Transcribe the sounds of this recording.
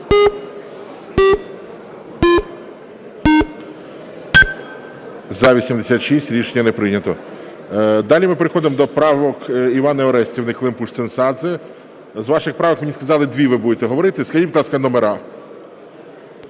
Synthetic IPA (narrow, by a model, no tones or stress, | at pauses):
zɐʋʲisʲimd̪esʲat̪ʃisʲtʲɾʲiʃenʲːɐnɛpɾɪnʲɐt̪ɔ | d̪ɑlʲimɪpeɾexɔd̪ɪmd̪ɔpɾɑʋɔkiʋɑnɐɔɾɛsʲtʲiʋwnɪklˠɪmpuʃt̪ɪnsɑd̪zɛ | zʋɑʃɪxpɾɑʋɔkmenʲiskɐzɑlˠɪd̪ʋʲiʋɪbud̪et̪ɛɦɔʋɔɾɪt̪ɪskɐʒibud̪lˠɑskɐnɔmeɾʔɑ